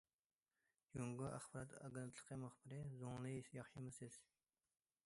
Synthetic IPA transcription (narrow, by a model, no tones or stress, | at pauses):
joŋɡuæ̰χbɑɾɑt̪ɑ̰ɡent̪ʰlˠəqʰəmuχb̥ɪɾɪzoŋlˠɨsjɑχʃɨmɨsɪz̥